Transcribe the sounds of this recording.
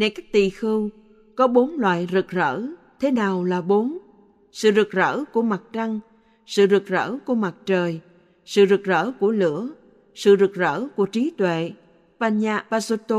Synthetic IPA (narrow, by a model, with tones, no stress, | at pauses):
ne˧˩jkaː˦˥k̚t̪i˧˨xɨ˧w | kɔ˨˦ɓo˨˦nlwa̰ː˧˨jzɨ˨˩k̚zə̰ː˧˥ | t̪ʰe˨˦naː˨˩wlaː˨˩ɓo˨˦n | sɨ̰˧˨zɨ˨˩k̚zə̰ː˧˥ku˧˩əma˨˩t̚t͡ɕa˧ŋ | sɨ̰˧˨zɨ˨˩k̚zə̰ː˧˥ku˧˩əma˨˩t̚t͡ɕəː˨˩j | sɨ̰˧˨zɨ˨˩k̚zə̰ː˧˥ku˧˩əlɨ̰˧˥ə | sɨ̰˧˨zɨ˨˩k̚zə̰ː˧˥ku˧˩ət͡ɕi˨˦t̪wḛ˧˨ | paː˧nɲaː˧paː˧zo˧t̪o˧